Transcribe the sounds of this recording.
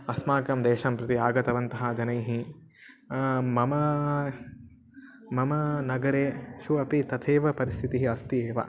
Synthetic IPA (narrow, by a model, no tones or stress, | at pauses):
ɐsmaːkɐmd̪eːʃɐmpɾɐt̪iaːɡɐt̪ɐʋɐnt̪ɐɦɐd͡ʒɐnɐjɦi | mɐmɐ | mɐmɐnɐɡɐɾeːʃuɐpit̪ɐt̪ʰeːʋɐpɐɾist̪ʰit̪iɦiɐst̪ieːʋɐ̰